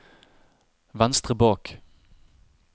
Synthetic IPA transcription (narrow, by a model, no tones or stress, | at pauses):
ʋɛnst̪ʁəbɑːk